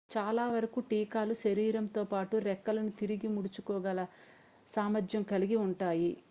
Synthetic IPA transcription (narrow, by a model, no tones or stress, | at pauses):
t͡ʃaːlaːʋɐɾɐkuʈiːkaːluʃɐɾiːɾɐmt̪o̞ːpaːʈuɾɛkːɐlɐnut̪iɾiɡimuɽut͡ʃukɔːɡɐlɐ | saːmɐd͡ʒ̪jɐmkɐliɡiuɳʈaːji